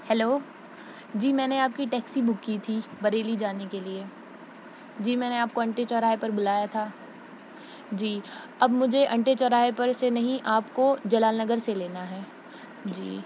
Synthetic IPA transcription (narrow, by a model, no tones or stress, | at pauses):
hɛloː | d͡ʒiːmɛ̃ːneaːp̚kiʈɛːksibʊkːit̪ʰibɐɾeːlid͡ʒaːnekelie | d͡ʒiːmɛ̃ːneaːp̚koɐ̃ɳʈet͡ʃɔɾaːepɐɾbʊlaːjat̪ʰaː | d͡ʒiː | ɐbmʊd͡ʒʱeʔɐ̃ɳʈet͡ʃɔɾaːepɐɾsenɐɦĩʔaːpkod͡ʒɐlaːlnɐɡəɾseleːnaɦɛː | d͡ʒḭː